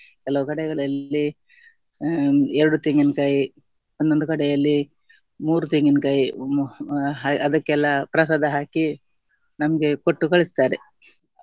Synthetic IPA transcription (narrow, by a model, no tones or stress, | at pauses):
kɛlɐʋukɐɽɛɡɐɭɐlːi | ɛɾɐɽut̪iŋɡinkaːji | ond̪ond̪ukɐɽɛjɐlːi | muːɾut̪iŋɡinkaːji | ɦaɐd̪ɐkːɛlːɐpɾɐs̬aːd̪ɐɦaːki | nɐmɐɡe̞koʈːukɐɭisi̥t̪aːɾe